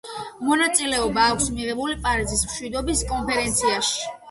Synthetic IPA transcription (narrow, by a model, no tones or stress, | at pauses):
mɔnat̪sʼilɛɔbaːkʷʰsmiʁɛbulipʼaɾizismʃwid̪ɔbiskʼɔnpʰɛɾɛnt̪sʰiaʃi̥